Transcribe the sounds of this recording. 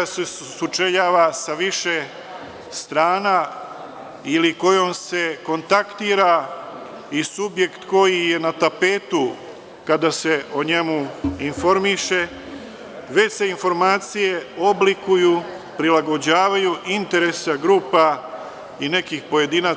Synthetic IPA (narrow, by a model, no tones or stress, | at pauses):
ase | sut͡ʃeʎaːʋasaʋiʃe̞ | st̪ɾaːna | iliko̞jo̞mse̞ko̞nt̪akt̪iːɾa | isubje̞kt̪ko̞jije̞nat̪ape̞ːt̪u | kad̪ase̞o̞ɲe̞muinfo̞ɾmiʃe̞ | ʋet͡ɕse̞info̞ɾmaːt̪sije̞o̞blikuju | pɾilaɡo̞d͡ʑaːʋajuʔint̪e̞ɾe̞saɡɾuːpa | ine̞kixpo̞je̞d̪ina